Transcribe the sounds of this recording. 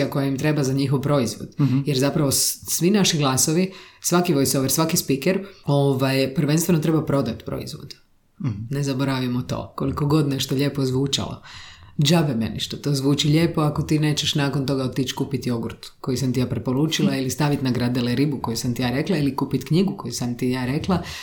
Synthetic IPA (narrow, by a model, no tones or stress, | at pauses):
akojaimt̪ɾe̞bazaɲixoʋpɾo̞izʋo̰d̪jeɾzapɾaʋosʋinaʃiɡlˠaːsoʋisʋakiʋojsoʋeɾsʋakispikeɾo̞ʋajpɾʋe̞nst̪ʋe̞no̞t̪ɾe̞bapɾo̞d̪at̪pɾo̰ḭzʋo̰d̪ | nezaboɾaʋijemot̪o̞̰ːko̞liko̞ɡo̞d̪neʃt̪oʎʲe̞ːpozʋuːt͡ʃa̰lo̰d͡ʒabemḛniʃt̪ot̪oːzʋuːt͡ʃiʎeːpo̞ako̞t̪iːne̞ːt͡ʃeʃnaːko̞nt̪o̞ɡaot̪ːit͡ʃkuːpit̪io̞ɡɾut̪ko̞jusamt̪ijaːpɾepoɾuːt͡ʃilˠailist̪aʋit̪naɡɾad̪elɛɾibuko̞jusamt̪ijaɾe̞klailikuːpit̪kɲiɡuko̞jusamt̪ijaːɾe̞klˠa